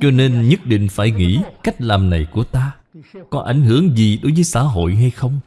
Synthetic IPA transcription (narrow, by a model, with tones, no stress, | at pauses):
t͡ɕɔ˧ne˧nɲə˦˥t̚ɗḭ̈˧˨ŋ̟faː˧˩jŋḭ˧˥ka˦˥jk̟̚laː˨˩mna˨˩jku˧˩ət̪aː˧ | kɔ˨˦ʔa˧˩jŋ̟ɦɨ˧˩əŋzi˨˩ɗo˨˦jvəː˨˦jsa̰ː˧˥ɦo̰˧˨jɦa˧jxə˧wŋ͡m